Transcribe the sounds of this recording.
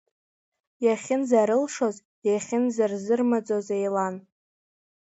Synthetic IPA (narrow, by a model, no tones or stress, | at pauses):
jaχʲɪnzaɾɨlʂoz | jaχʲɪnzarzɨrmad͡zʼozejlan